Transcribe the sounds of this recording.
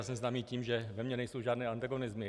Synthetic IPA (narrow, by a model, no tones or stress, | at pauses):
sɛmznaːmiːciːmʒɛvɛmɲɛnɛjsowʒaːd̪nɛːant̪aɡonɪzmɪ